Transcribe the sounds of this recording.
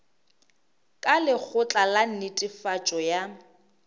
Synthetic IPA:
kʼalɪk͡xʰʊt͡ɬʼalan̩nɪtʼɪfat͡ʃʼɔja

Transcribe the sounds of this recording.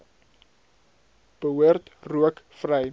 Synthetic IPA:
b̥əɦuərtruəkfrəj

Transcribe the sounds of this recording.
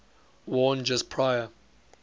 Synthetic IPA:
wɔːnd͡ʒʌspʰɹ̥aɪə

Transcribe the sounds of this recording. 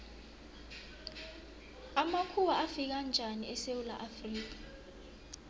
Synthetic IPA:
amakʰuwaʔafik̬and͡ʒʱaniɛsewula̰ʔafriːk̬ḁ

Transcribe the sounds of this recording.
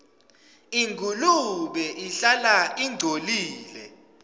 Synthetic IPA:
iŋkuluɓɛʔiɬalaiŋdʱoliːlɛ̰

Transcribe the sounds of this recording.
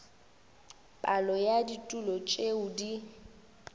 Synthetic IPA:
pʼalɔjaditʼulɔt͡ʃʼeudi

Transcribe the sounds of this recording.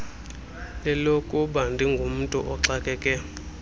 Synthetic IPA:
lɛlokʼuɓandʱiŋɡʱum̩tʼṵʔɔǁakʼɛːkʼɛ

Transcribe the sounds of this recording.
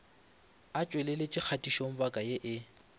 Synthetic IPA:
at͡ʃʼwelelet͡ʃʼɪk͡xʰatʼiʃoŋ̩bakʼajeʔɪ

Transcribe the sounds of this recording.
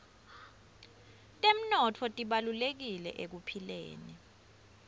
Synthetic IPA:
tʼem̩nɔtʰɔtʼiɓalulek̬ilɛ̰ʔek̬upʰilḛːni

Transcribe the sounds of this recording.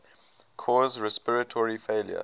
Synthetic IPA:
kʰɔːzɹɛspɪɹətʰɔɹifeɪljə̰

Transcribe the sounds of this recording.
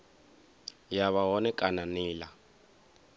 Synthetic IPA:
jaβaɦɔnɛkʼananiːla

